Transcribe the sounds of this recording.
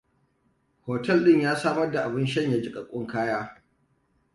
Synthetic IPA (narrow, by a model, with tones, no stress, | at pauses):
hoː˨tɛ˦lɗɪ˦˨ɲjaː˦saː˦mɐ˦rda˨ʔa˨bɪ˦nʃɐ˦ɲja˦d͡ʒi˦kʼɐ˨kʷʼʊ˦ŋkaː˦jaː˦